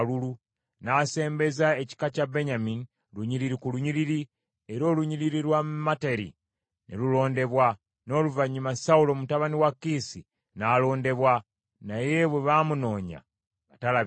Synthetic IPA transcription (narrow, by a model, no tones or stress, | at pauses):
lulu | nase̞ːmbe̞zaeci̥kacabeɲamini | luɲiɾiɾikuluɲiɾiɾi | eɾo̞ːluɲiɾiɾiɾwammateɾḭ | nḛlulo̞ːnde̞βwa | no̞ːluvaɲumasaulo̞mutaβaniwakːisi | naːlo̞ːnde̞βwa | naje̞βweβamuno̞ːɲa̰ | βatala